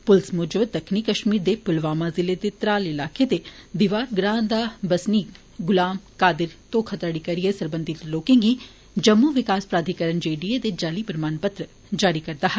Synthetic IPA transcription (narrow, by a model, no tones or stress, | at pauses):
pʊlsmʊd͡ʒəʋd̪ɐkʰnikɐʃmiːɾd̪epʊlʋaːmazɪlet̪et̪ɾaːlɪlaːket̪ed̪ɪʋaːɾɡɾãːnd̪abɐsniːk | ɡʊlaːmkaːd̪ɪɾt̪oːkʰɐt̪əɽikɐɾijesɐɾbə̃nd̪ʱɪt̪loːkẽɡi | d͡ʒɐmːuʋɪkaːspɾaːd̪ʱikəɾəɳd͡ʒeːɖied̪ed͡ʒaːlipɾmaːnpɐt̪ɾə | d͡ʒaːɾikɐɾt̪aɦɛ